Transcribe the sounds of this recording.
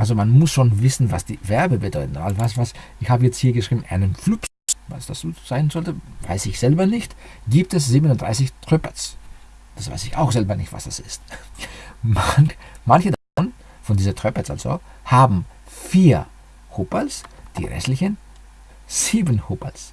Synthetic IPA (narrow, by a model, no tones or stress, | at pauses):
ʔalzomanmʊsʃoːnvɪsn̩vasd̥iːvɛɐbəbədɔʏtn̩ʔa̰lvasvasʔɪçhaːbəjɛt͡sthiːɐɡəʃʁ̥iːbm̩ɪʔa̰ɪnənp͡flʊps | va̰sd̥asoz̥aɪnzɔltəva̰ɪsɪçz̥ɛlbɐnɪçt | ɡ̥iːp̚tɛsz̥iːbənʊntd̥ʁ̥a̰ɪsɪçtʁ̥œpɐt͡s | d̥asv̥a̰ɪsɪça̰ʊxz̥ɛlbɐnɪçtva̰sd̥a̰sɪst | manmançədafɔn | fɔndiːzɐtʁ̥œpɐsʔa̰lz̥o̰ | haːbm̩ | fiːɐ | hʊpəlsd̥ḭːʁɛ̰stlɪçən | z̥iːbənhʊpa̰ls